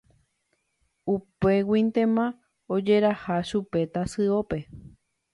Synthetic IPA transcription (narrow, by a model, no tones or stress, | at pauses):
upe̞wĩnt̪ẽ̞mã | od͡ʒe̞ɾahaʃupe̞t̪asɨo̞pe̞